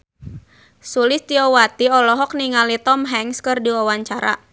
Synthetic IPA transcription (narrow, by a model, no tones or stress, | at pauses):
sulɪst̪iɔwat̪iɔlɔɦɔk̚niŋalit̪ɔmɦɛŋskɨrdiwawaɲt͡ʃaɾa̰